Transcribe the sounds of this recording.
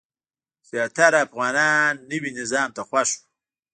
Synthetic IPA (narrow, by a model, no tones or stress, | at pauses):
z̥jɑːt̪aɾafɣɑːnɑːnːəwinɪzɑːmt̪axwaʃu̥